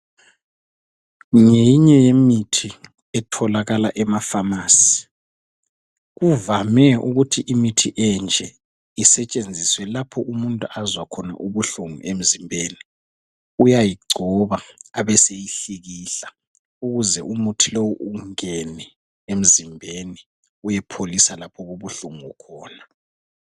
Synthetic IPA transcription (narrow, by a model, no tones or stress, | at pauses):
ŋejiɲɛjemitʰi | ɛtʰɔlaɣalaʔɛmafamaːsi̥ | ɣuvamɛʔuɣutʰiʔimitʰiʔɛnd͡ʒʱɛ | isɛt͡ʃʼend͡zʱiswɛlapʰɔʔumuntʼuazwakʰɔna̰ʔuβuɬuŋuʔem̩zimbʱeːni | ujajiɡ͡ǀʱɔβaːβɛsejiɬiɣiːɬa | uɣuzɛ̰ʔumutʰilowuʔuŋɛnɛ | em̩zimbʱeni | ujɛpʰolisalapʰɔɣuβuɬuŋuukʰɔːna